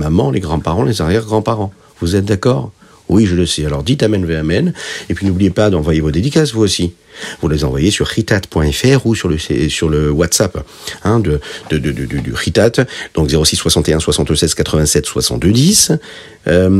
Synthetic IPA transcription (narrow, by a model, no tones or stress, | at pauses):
mamɑ̃lʔeɡʁɑ̃paʁɑ̃lezaʁjɛʁɡʁɑ̃paʁɑ̃ | vuzɛt̪̚d̪akɔːʁ | wiʒələsɛalɔʁd̪it̪amɛnveamɛnepɥinublijepad̪ɑ̃vwajevod̪ed̪ikasvuosi | vulezɑ̃vwajesyʁːit̪at̪pwɛ̃ɛfɛʁusyʁləssyʁləwat̪sap | ɛ̃d̪əd̪̥əd̪əd̪əd̪d̪yʁit̪at̪d̪ɔ̃kzeʁosisːwasɑ̃t̪eɛ̃swasɑ̃t̪sɛz̥kat̪χəvɛ̃sɛt̪swa̰sɑ̃t̪d̪d̪is | ø